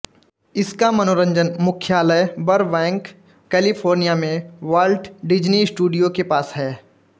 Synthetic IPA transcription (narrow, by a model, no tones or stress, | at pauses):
ɪskamɐnoːɾə̃ɲd͡ʒənmʊkʰjaːləjbɐɾʋɛ̃ːŋkː | ɛːlipʰoːɾnijamẽʋaːlʈɖɪd͡ʒniɪsʈuːɖijokepaːsɦɛː